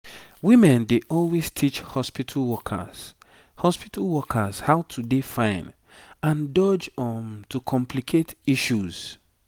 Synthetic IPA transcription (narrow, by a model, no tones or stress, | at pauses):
wĩmɛ̃ndeʔɔlwestʰit͡ʃhɔspitʰalwɔkʰə̰z̥ | hɔspitʰalwɔkʰəz̥haʊtʰudefãɪ̃n | ãndɔd͡ʒɔ̃ntʰukʰɔ̃mpʰlikʰetiʃuz̥